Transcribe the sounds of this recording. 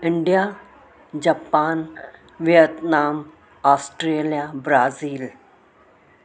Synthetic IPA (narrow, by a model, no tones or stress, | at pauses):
ɪɳɖija | d͡ʑaːpaːn | ʋijət̪naːm | aːsʈɾeːlijabɾaːziːl